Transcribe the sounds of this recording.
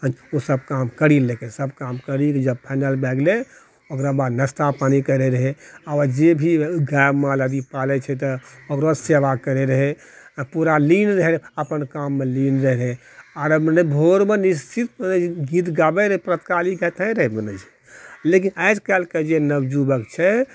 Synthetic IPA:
ɦə̃d͡ʒosəb̚kamkəɾilekẽsəbkamkəɾikid͡ʒəbpʰaɪnəlbɛɡle | okɾabad̪nəst̪apanikəɾeɾəɦeabd͡ʒebʱiɡabmãləd̪ipalɛt͡ʃʰɛt̪̬ɔokɾoseʋakəɾeɾəɦe | puɾalinɾəɦɛəpənkamːelinɾəɦɾɛ | aɾəmənəbʱoɾmenist͡ʃʰit̪mənəd͡ʒiɡit̪ɡabɛɾəɦɛpɾət̪kaliɡɛt̪ɦɛ̃ɾəɦɛmənəd͡ʒi | lek̬inəd͡ʒkɛlked͡ʒenəbd͡ʒubəkt͡ʃʰɛ

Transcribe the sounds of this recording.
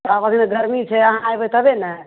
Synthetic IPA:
abəɡneɡəɾmit͡ʃʰɛəɦãajbɛt̪əbenɛ

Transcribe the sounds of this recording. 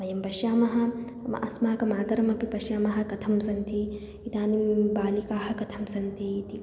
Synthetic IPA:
mɐjɐmbɐʃjaːmɐɦɐ̆ | mɐ̰ʔɐsmaɦɐkɐmaːd̪ɐɾɐmɐpipɐʃjaːmɐɦɐ̆kɐt̪ʰɐmsɐnt̪i | it̪aːnibaːlikaːhɐ̆kɐt̪ʰɐmsɐnt̪it̪i

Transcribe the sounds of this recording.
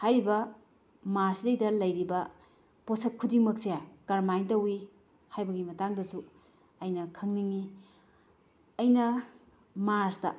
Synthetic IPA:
hajɾibɐ | maɾsdejdɐlɐjɾibɐ | posɐt̚kʰudiŋmɐk̚sejaɡɐɾmajntɐwi | hajbɐɡimɐtaŋdɐsu | ɐjnɐkʰɐŋniŋi | ɐjnɐ | maɾsdɐ

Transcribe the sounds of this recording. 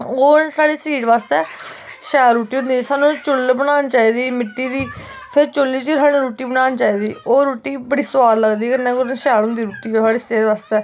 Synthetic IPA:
oːsaːɽiːsiːʈʋaːst̪ɛː | ʃɛːɾɾuːʈiːɦʊ̃nd̪iːsaːnũːt͡ʃʊlbəɽ̃aːnt͡ʃaːiːd̪iːmɪʈːiːd̪iː | pʰɪɾt͡ʃʊlːiːt͡ʃiɾaːɽ̃ĩːɾuːʈiːbəɽ̃aːnt͡ʃaːiːd̪iːoːɾuːʈiːbəɽiːsʋaːlləɡd̪iːkənẽːkoɾʃɛːɾɦʊ̃nd̪iːɾuːʈiːosaːɽiːseːɖʋaːst̪ɛː

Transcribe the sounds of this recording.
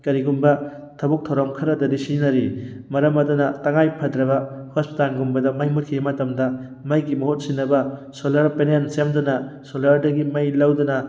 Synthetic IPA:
kɐɾiɡumbɐ | tʰɐbuk̚tʰɐwɾɐmkʰɐɾɐdɐɾisinɐɾimɐɾɐmɐdunɐtɐŋajpʰɐdɾɐbɐhospitanɡumbɐdɐmɐjmut̚kʰimɐtɐmdɐmɐjɡimɐhot̚sinːɐbɐsolɐɾpenensemdɐnɐsolɐɾdɐɡimɐjlɐwdɐnɐ

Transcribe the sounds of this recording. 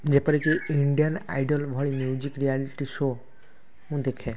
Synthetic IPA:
d͡ʒepɔɾikiiɳɖijəna̰jɖɔlbʱɔɭimjud͡ʒikɾialiʈiso | ɦũd̪ekʰe

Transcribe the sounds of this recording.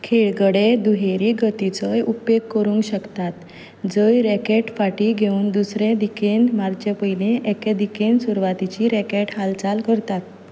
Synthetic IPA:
kʰeɭɡəɽed̪uɦeɾiːɡət̪it͡səjupjeɡkːəɾũŋɡɕəkt̪at̪ | d͡zəjɾekeʈfaʈiɡʱeuːnd̪usɾẽd̪ikenmaɾt͡ɕepəjleʔeked̪ikensuɾʋat̪it͡ɕiɾekeʈɦalt͡salkəɾt̪at̪

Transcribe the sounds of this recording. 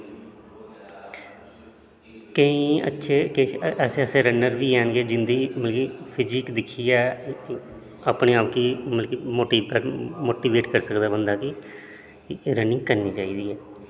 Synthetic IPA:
kəĩːə̰tːʃʰeːkeɛːseːəseːɾənːəɾʋiːɦɛːnɡeːd͡ʒɪnd̪iːməlkiːpʰɪd͡ʒɪkd̪ɪkʰːiːɛː | aːpneːaːpkiməlkiːmoːʈiːpəɾmoːʈiːʋeːʈkəɾsəkd̪aːbənd̪aːkɪ | ɾənɪ̃ːkəɾniːt͡ʃaːiːd̪iːɛː

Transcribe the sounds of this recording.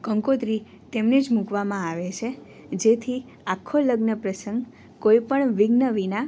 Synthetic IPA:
kəŋkot̪ɾi | t̪emned͡ʒmũkʋamãaʋet͡ʃʰe | d͡ʒet̪ʰi | akʰːoləɡnəpɾəsəŋɡ | koipəɳʋiɡnəʋina

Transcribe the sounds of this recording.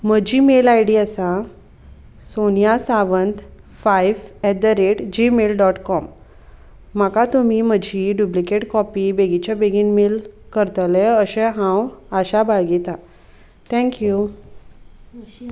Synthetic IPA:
m̤əd͡ʑiːmelajɽiːasa | sonjasaʋənt̪ | fajʋɛd̪əɾeʈd͡ʑimelɖɔʈkɔmː | akat̪umiːməd͡ʑʱiɖjuplikeʈkɔpiːbeɡit͡ɕabeɡiːnmelkəɾt̪əlɛ̃əɕɛ̃ɦãwaɕabaɭɡit̪a | t̪ʰɛ̃ŋkju

